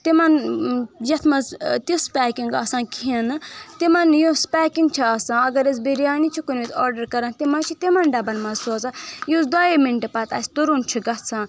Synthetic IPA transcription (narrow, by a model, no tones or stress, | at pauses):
t̪imɐn | jɐt̪ʰmɐzt̪ispʲaːkiŋɡa̰ːsãːkʰinɨt̪imɐnjõspʲɛːkiŋɡt͡ʃʰiɐsãːɐɡɐɾezbeɾijaːnit͡ʃʰikunit̪ʰɔːɾɖɐɾkɐɾãnt̪imɐt͡ʃʰit̪imɐnɖɐbɐnmɐzsozajozd̪ɔːjemiɳʈepɐt̪a̰ːsʲt̪uɾunt͡ʃʰiɡɐt̪t͡sʰãː